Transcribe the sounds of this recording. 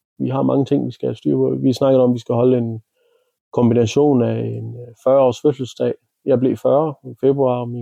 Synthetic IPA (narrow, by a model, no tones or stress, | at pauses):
ʋiɦɑ̈mɑ̈ŋət͡sʰe̝ŋ̰ʋisɡ̥æsd̥yɐpʰɔ̽ðˠʋisnɑ̈ɡ̥ð̩ˠɒ̽mʋisɡ̥æɦɒ̽ləe̝n | kʰɒ̽mb̥inæɕo̝̰ːnæe̝nfɶɐɒ̰ːsføsəl̩sd̥ɛ̰ːɪ | jɑ̈ɪble̝ːfɶɐife̝b̥ʁuɑ̰̈mi